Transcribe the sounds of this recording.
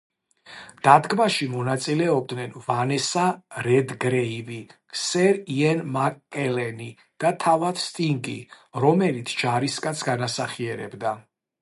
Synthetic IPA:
d̪̥ad̪ɡmaʃimɔnat̪sʼilɛɔb̚d̪nɛnvanɛsaɾɛd̪ɡɾɛivi | sɛɾiɛnmakʼːɛlɛni | d̪̥at̪ʰavat̪ʰst̪ʼiŋɡḭ | ɾɔmɛlit̪sʰd͡ʒaɾiskʼat̪sʰɡanasaχiɛɾɛ̰bd̪a

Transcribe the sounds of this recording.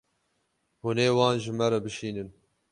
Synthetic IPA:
huneːwɑːnʒɨmɛɾɐbɨʃiːnɨn

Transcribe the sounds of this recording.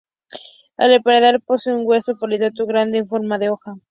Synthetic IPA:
a̰lepaɾeðalposeuŋɡwesopolit̪at̪uɣɾand̪eːɱfo̞ɾmaðeoxa

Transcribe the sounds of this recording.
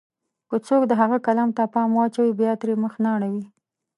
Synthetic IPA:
kət͡sokd̪əɦaɣakalamt̪apɑmwɑt͡ʃawibjɑt̪ɾeməxnaɽ̃awi

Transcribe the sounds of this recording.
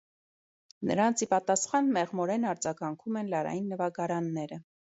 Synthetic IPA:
nə̰ɾɑnt͡sʰipɑt̪ɑsχɑnmɛʁmɔɾɛnɑɾd͡zɑɡɑŋkʰumɛnlɑɾɑ̰jinːəvɑɡɑɾɑnːɛɾə

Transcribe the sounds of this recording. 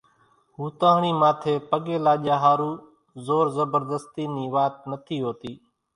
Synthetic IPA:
ɦuːt̪ãːɳ̃iːmaːt̪ʰeːpəɠeːlaːʄaːɦaːɾuː | zoːɾzəbəɾd̪əst̪iːniːʋaːt̪̚nət̪ʰiːɦoːt̪iː

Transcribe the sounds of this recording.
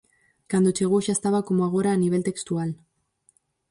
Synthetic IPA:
kand̪ot͡ʃeɣ̞uʃaest̪aβako̞moaɣ̞o̞ɾaːniβ̞e̞lt̪e̞kst̪ual

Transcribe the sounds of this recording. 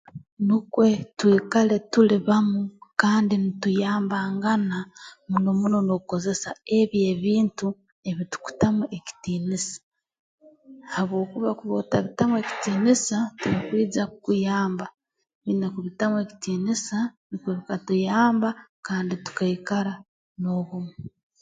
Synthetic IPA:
nikwe̞twiːkale̞tuliβamukaːndinitujaːmbaːŋɡanamuno̞muno̞nouko̞ze̞sae̞βje̞βiːntu | e̞βitu̥ku̥tamuʔe̞ci̥tiːnisḁ | haβwo̞ːkuβakuβotaβitamwe̞ːci̥tiːnisatuɾikwiːd͡zakukujaːmba | βinekuβitamwe̞ki̥tiːnisanikweβikatujaːmbakaːnditu̥kaikaɾa | no̞βumu

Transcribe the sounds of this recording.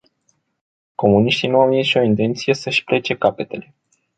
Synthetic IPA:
ko̞muniʃt̪inuawniʃo̞int̪e̞nt̪sije̞səʃpɾe̞t͡ʃe̞kape̞t̪e̞le̞

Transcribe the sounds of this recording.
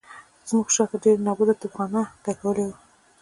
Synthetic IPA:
zmuxʃɑt̪aɖeɾnɑbud̪at̪upxɑnad̪akawəlewə

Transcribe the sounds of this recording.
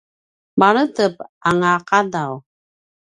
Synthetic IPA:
baɾətəp̚aŋaqadaw

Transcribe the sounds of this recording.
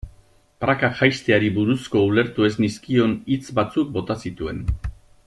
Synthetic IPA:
pɾakaʝajst̪eaɾiβuɾusko̞ule̞ɾt̪ue̞zniskio̞nit͡sbat͡suk̚bo̞t̪asit̪ue̞n

